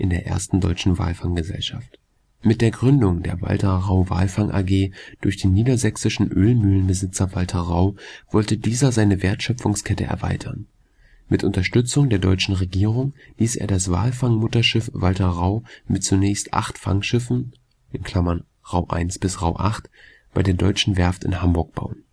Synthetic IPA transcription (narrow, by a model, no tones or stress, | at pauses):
ʔɪndeːɐʔḛːɐstn̩dɔ̰ʏt͡ʃn̩va̰ːlfaŋɡəzɛ̰lʃaft | mɪt̚d̥eːɐɡʁʏndʊŋdḛːɐva̰ltɐʁaʊva̰ːlfaŋʔa̰ɡeːd̥ʊɐçd̥eːnːiːdɐzɛksɪʃn̩ʔøːlmyːlənbəzɪt͡sɐvaltʰɐʁaʊv̥ɔltədiːzɐzaɪnəveːɐtʃœp͡fʊŋskʰɛtə̰ʔɛ̰ɐva̰ɪtʰɐn | mɪtʔʊntɐʃtʏt͡sʊŋdeːɐdɔʏt͡ʃn̩ʁeɡiːʁʊŋliːsʔḛːɐdasv̥a̰ːlfaŋmʊtɐʃɪfv̥altɐʁaʊmɪtt͡sunɛːçstʔa̰χtfa̰ŋʃɪfn̩ | ʔɪnkʰl̥amɐn | ʁaʊʔa̰ɪnsb̥ɪsʁaʊʔaχt | b̥aɪdeːɐdɔʏt͡ʃn̩vɛɐftɪ̰nhambʊɐk̚b̥a̰ʊən